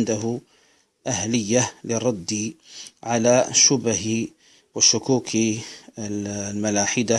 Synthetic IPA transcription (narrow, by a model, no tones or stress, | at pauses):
nd̪aɦʊ | ʔahləjːalɪrˤːɑd̪ːiʕalaʃʊbh | wɪʃʊkuːkʰi | lmalaːħɪd̪a